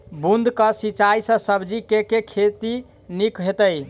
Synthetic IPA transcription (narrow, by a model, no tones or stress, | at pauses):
bund̪kəsit͡ʃajsə̃səbd͡ʒikekekʰet̪i | nikɦet̪əj